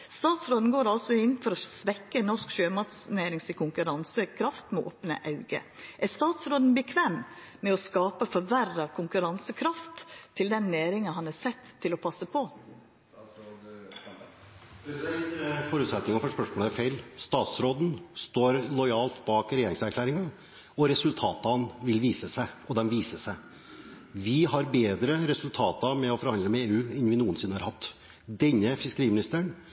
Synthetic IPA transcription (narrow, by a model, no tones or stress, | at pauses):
st̪ɑːt̪sɾoːd̪n̩ɡoːɾɑlsɔɪnfɔɾɔsʋɛkːənɔʂkʃøːmɑt̪sneːɾɪŋsɪkʰʊŋkʉɾɑnsəkʰɾɑft̪mɛʔo̰ːpnə̰ʔɑʉɡə̰ʔæɾst̪ɑːt̪sɾoːd̪n̩bɛkʰʋɛːm | mɛɔskɑːpəfɔɾʋærɑkʰʊŋkʉɾɑnsəkʰɾɑft̪ʰːɪld̪ɛnːeːɾɪŋɑɦɑnɑːsɛt̪ʰːɪlɔpʰɑsːəpʰɔ | fɔɾʉt̪sɛt̪nɪŋɑfɔʂpœʂmoːləæfeɪlst̪ɑːt̪sɾoːd̪n̩st̪oːɾlɔʏɑːlt̪bɑːkɾɛjeːɾɪŋsæɾkʰlæːɾɪŋɑ | ɔɾɛsʉlt̪ʰɑːt̪ɑnʋɪlʋiːsəsæɪɔd̪ɛmʋiːsəsæɪ | ʋɪɦɑɾbeːd̪ɾəɾɛsʉlt̪ʰɑːt̪ɑmɛɔfɔɾhɑnd̪əmɛeːʉːɛnʋɪnuːənsɪnːəhɑɾhɑt̪ː | d̪ɛɲːəfɪskəɾiːmɪnɪst̪əɳ